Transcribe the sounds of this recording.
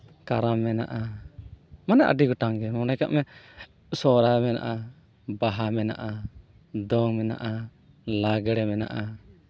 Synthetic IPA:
kaɾamɛna̰ʔa | manɛʔa̰ɖiɡɔʈaŋɡɛmɔnajka̰ʔmɛ | sɔɾamɛna̰ʔa | baɦamɛna̰ʔa | d̪ɔŋmɛna̰ʔa | laɡɛɽɛmɛna̰ʔa

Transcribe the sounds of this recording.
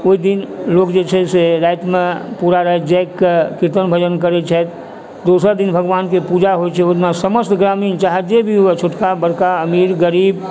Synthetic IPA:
oid̪inloːkd͡ʒet͡ʃʰɛseɾat̪mẽpuɾaɾəɦɛd͡ʒɛkːekɪɾt̪ənbʱəd͡ʒənkəɾet͡ʃʰɛt̪ | d̪osəɾd̪inbʱəɡʋaːnkepud͡ʒaɦojt͡ʃʰɛot̪nasəməst̪ɡɾamiːnt͡ʃaɦed͡ʒebʱiɦoet͡ʃʰoʈkabəɾkaəmiːɾɡəɾiːb

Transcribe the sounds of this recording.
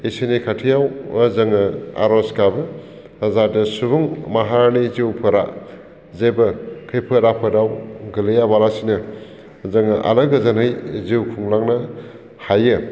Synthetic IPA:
isenikʰatʰijawəzɐŋɯa̰ɾɔskabɯː | zadɯsubuŋmaɦaɾniziwpʰɯɾa̰ | zebɐkʰɯjpʰɯɾapʰɯdawɡɯlɯjabalasinɯ | zɐŋɐʔa̰lɯɡɯzanɯjziwkʰuŋlaŋnɐ | hajɯ

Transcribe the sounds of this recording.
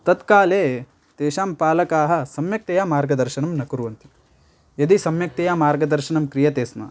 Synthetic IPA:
t̪ɐt̪kaːleː | t̪eːʃaːmpaːlɐkaːɦɐ̆sɐmjɐk̚t̪ɐjaːmaːɾɡɐd̪ɐɾʃɐnɐmnɐkuɾuʋɐnt̪i̥ | jɐd̪isɐmjɐk̚t̪ejaːmaːɾɡɐd̪ɐɾʃɐnɐmkɾijɐt̪eːsmɐ̰

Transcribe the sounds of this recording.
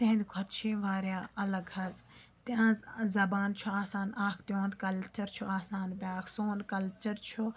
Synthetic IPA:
t̪ẽɦnd̪ɡʰʱɐt̪t͡ʃʰĩːʋaːɾjaːɐlɐɡhɐz | t̪ãːzzɐbaːnt͡ʃʰuaːsaːnaːkʰt̪õːnd̪kɐlt͡ʃɐɾt͡ʃʰuaːsaːnbʲjaːkʰsoːnkɐlt͡ʃɐɾt͡ʃʰo

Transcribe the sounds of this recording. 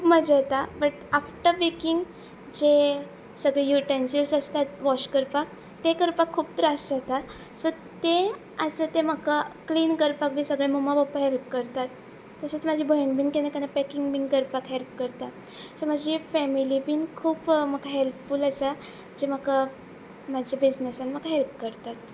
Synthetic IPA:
kpməd͡ʑat̪abəʈafʈəʋekiŋɡ | d͡ʑe | səɡɭejuʈensilsəst̪at̪ʋɔɕkəɾpak | t̪ekəɾpakʰːuːp̚t̪ɾasat̪a | sɔt̪e | at͡sət̪eməkakliːnkəɾpakʋĩsəɡɭemomaʋɔpəɦelp̚kəɾt̪at̪ː | əsət͡smad͡ʑʱibʱəɳbiːnkenekanapɛkiŋɡbiŋɡkəɾpakɦelp̚kəɾt̪a | sɔmad͡ʑifɛmilibiːnkʰuːpm̤əkaɦelpfuːlasa | d͡ʑem̤əka | mad͡ʑʱibid͡ʑnesanm̤akaɦelp̚kəɾt̪at̪

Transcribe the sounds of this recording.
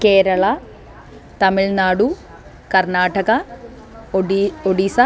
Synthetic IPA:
keːɾɐɭɐ | t̪ɐmiɭnaːɽu | kɐrnaːʈɐɡɐ | oɽiːsɐ

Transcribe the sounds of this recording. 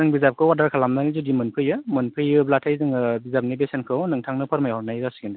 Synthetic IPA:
zɯŋbizap̚kʰɯwadaɾkʰalamnanizudimɯnpʰɯjɯmɯnpʰɯjɯblatʰajzɯŋɯbizap̚nibesenkʰɯwnɯŋtʰaŋnɯpʰaɾmajɔnajɾasɯɡenda

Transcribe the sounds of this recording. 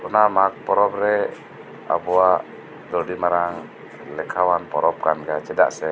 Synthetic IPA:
ɔnamak̚pɔɾɔpɾɛ | a̰buaʔ | d̪ɔdimaɾaŋ | lɛkʰawanpɔ̰ɾɔp̚kanɡat͡ʃɛda̰ʔsɛ

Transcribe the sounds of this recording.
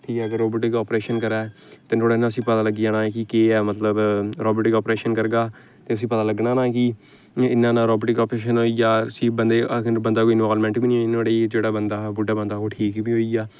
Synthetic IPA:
ʈʰiːkɛːəɡəɾːoːboʈɪkɔːpɾeːʃənkəɾɛː | t̪eːt̪ʰoːɽaːɪnãːəsĩːpət̪aːləɡid͡ʒãːnãːɛkɪkeːɛːmət̪ləbɾɔːboːʈɪkɔːpɾeːʃənkəɾɡaː | t̪eːəs̬ĩːpət̪aːləɡnaːnãːkɪ | ɪnːãːnãːɾɔːboʈɪkɔːpɾeːʃənɦoːiːɡaːəsĩːbənd̪eːəbənd̪aːkoːinaːlmɛ̃ːɳʈbiːnĩːɦnoːɽeːd͡ʒeːɽaːbənd̪aːbʊɖaːbənd̪aːɦoːʈʰiːkbiːɦoːiːɡaː

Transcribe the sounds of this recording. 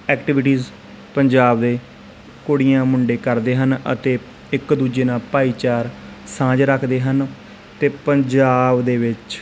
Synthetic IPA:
ɛːkʈɪʋɪʈiːz | pəɲd͡ʒaːbd̪eː | koːɽijãːmʊɳɖeːkəɾd̪eːɦənə̰t̪eː | ɪkd̪uːd͡ʒeːnãːpaːiːt͡ʃaːɾ | sãːd͡ʒɾəkʰd̪eːɦən | t̪eːpəɲd͡ʒaːbd̪eːʋɪt͡ʃ

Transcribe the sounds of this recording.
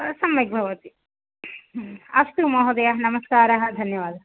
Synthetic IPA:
sɐmːɐɡ̚bʱɐʋɐt̪i | ɐʂʈ̪umɐɦɐd̪ɐjɐɦɐnɐmɐskaːɾɐɦɐd̪ʱɐnjɐʋaːd̪ʱɐɦɐ

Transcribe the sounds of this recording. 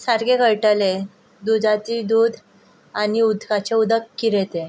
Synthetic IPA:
saɾɡekəɭʈəle | d̪ud͡zʱat̪iːd̪uːd̪ʱ | añiud̪ʱkat͡ɕeud̪əkːiɾet̪e

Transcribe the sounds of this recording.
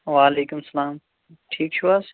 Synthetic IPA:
ʋaːleːkʊmsɐlaːm | ʈʰiːkt͡ʃʰuaːs

